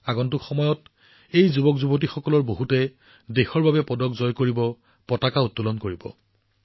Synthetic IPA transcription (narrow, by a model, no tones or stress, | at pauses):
aɡɔntʊkxɔmɔjɔt | ejzubɔkzubɔt̬ixɔkɔlɔɹboɦutɛ | dexɔɹbabɛpɔdɔkzɔjkoɹibɔ | pɔtakaʊtːulɔnkoɹibɔ̰